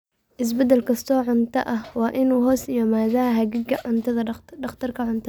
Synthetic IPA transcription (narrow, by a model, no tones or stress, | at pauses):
ʔɪs̬bɐd̪ɐlkʰɐst̪ʰɔːʕʊnt̪ʰɐʔɐhwɑːʔɪnuːɦɔːsjjaːmaːðɐɐɦɐɡɪɡɐʕʊnt̪ʰɐðɐɖɐχt̪ʰɐrkʰɐʕʊnt̪ʰɐ